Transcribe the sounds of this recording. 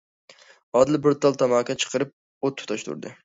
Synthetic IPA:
ɒd̪lɪbɪɾt̪ʰɒlˠt̪ʰamakʲat͡ʃʰɨ̥qʰɨɾɪp̚ | ot̪̚ːʰʊ̥t̪ʰaʃt̪ʰʊ̰ɾd̪ɪ

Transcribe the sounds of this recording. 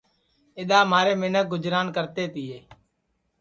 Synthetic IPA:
ɪɗ̪aːmaːɾeːmɪnək̚ɡʊd͡ʒɾaːnkəɾt̪eːt̪ɪːeː

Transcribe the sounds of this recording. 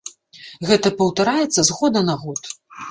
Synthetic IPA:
ɣɛt̪ɐpɐwt̪aɾajɛt̪sːɐzɣɔd̪ɐnɐɣɔt̪

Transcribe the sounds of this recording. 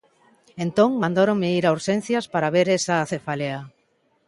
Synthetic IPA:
ent̪õŋmãnd̪aɾõŋmeiɾauɾʃen̟θjaspaɾaβeɾesaːθefalea

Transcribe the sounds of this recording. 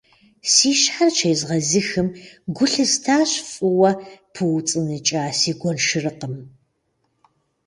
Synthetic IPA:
siːʃħart͡ʃʰejzʁɐzɨxɨmɡʷʊɬɨstʰaːɕfʼɨwɐpʰɨwt͡sʼɨnɨt͡ʃʼaːsiːɡʷɔnʃɨrɨqəm

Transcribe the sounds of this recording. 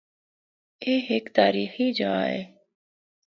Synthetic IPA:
eːɦɪkt̪aːɾiːxiːd͡ʒəaːḛː

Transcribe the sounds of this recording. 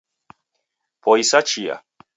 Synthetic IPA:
pʰoisat͡ʃija̰

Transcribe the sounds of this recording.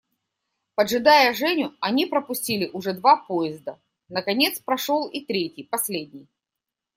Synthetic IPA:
pəʐɨd̪ajəʐɛnʲʊɐnʲipɾəpʊsʲtʲilʲɪʔʊʐɛd̪vapojɪzd̪ə | nəkɐnʲe̞t̪spɾɐʂolˠit̪ɾʲetʲɪjpɐsʲlʲedʲnʲɪj

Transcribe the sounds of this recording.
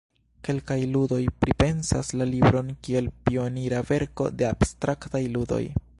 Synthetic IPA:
ke̞lkajludo̞jpɾipe̞nsa̰slalibɾo̞nkie̞lpio̞niɾave̞ɾko̞̰de̞ab̥stɾaktajludo̞̰j

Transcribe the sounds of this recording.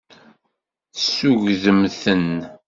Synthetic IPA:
sːuʝðəmθən

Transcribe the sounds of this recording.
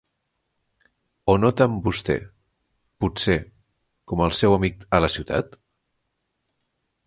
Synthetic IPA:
onot̪əmbust̪ɛ̰ | puse | kɔməlˠsɛwəmik̚ələsiwt̪a̰t̪

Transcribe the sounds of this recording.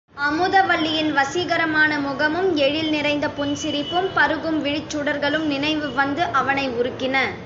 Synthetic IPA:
ɐmɯðɐʋɐɭːɪjɪnʋɐsiɣɐɾɐmaːnɐmʊɣɐmɯmɛɻɪlnɪɾɐɪnd̪ɐpʊnsɪɾɪpːɯmpɐɾɯɣɯmʋɪɻɪt͡ʃːɯɽɐɾɣɐɭɯmnɪnɐɪʋɯʋɐnd̪ɯʔɐʋɐnɐɪʊɾɯkːɪnɐ

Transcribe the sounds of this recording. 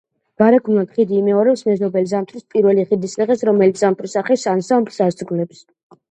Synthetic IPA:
v̥aɾaɡʰnnad̪χid̪iːmɛɔɾɛpsmɛzɔbɛlizamt̪ʰʼɾispʼiɾvɛliχid̪ist̪ʼɛʁɛsɾɔmɛlit̪ʰz̥amt̪ʰʼɾisaχɛsansaɔmpsasd̪ɡlɛps

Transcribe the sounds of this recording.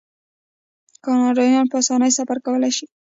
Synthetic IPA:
kɑnɑɖɑjɑnpəasɑnəjsafaɾkawəlajʃi

